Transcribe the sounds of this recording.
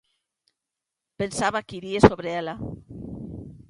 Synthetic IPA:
pensaβakiɾiesoβɾeela

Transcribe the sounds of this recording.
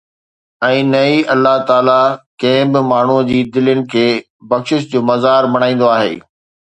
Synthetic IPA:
ɛ̃ːnɐiɐlːaɦt̪aːlakɐ̃ɦɪ̃bɪmaːɳ̤ud͡ʑiːd̪ɪlənɪ̆kʰeː | bɐkʃɪʃd͡ʑoːmɐzaːɾmɐɽ̃ãːĩːn̆d̪oaːɦḛː

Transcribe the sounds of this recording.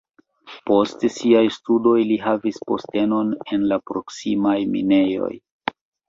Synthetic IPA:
po̞stsiajstudo̞jliɦavispo̞̰ste̞no̞ne̞nlapɾo̞ksimajmḭne̞jo̞̰j

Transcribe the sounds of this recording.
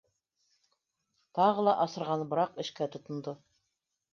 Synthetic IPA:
t̪ɑʁɤlˠɑʔɑsɤ̆ɾʁɑnbɤ̆ɾɑqɘ̆ʃkæt̪ŏt̪ŏnd̪o

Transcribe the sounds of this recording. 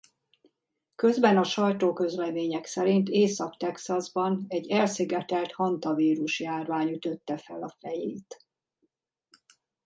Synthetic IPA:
kø̞zbɛnɒʃɒjt̪oːkø̞zlɛmeːɲɛksɛɾint̪eːsɒkt̪ɛksɒzbɒnɛɟːɛlsiɡɛt̪ɛlt̪hɒnt̪ɒviːɾuʃjaːrvaːɲyt̪ø̞t̪ːɛfɛlɒfɛjeːt̪

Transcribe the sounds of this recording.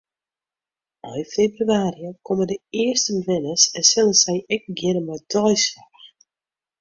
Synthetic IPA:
ɔjfebryaːɾiəkɔmədəɪərstəbəvɪnəsɛnsɪlˠəsɛjɛk̚ɡɪnəmɔjdɔjsax

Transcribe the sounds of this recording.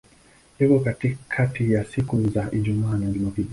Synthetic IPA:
jikɔkatikʰatijasikuzaʔid͡ʒumanad͡ʒimokid

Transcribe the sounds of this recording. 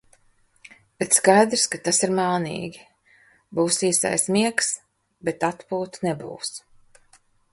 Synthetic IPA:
b̥et̪skajd̪ɾskat̪asiɾmaːnḭːɡʲi | buːsiːsa̰jsmiɛks | bet̪at̪puːt̪nɛbṵːs

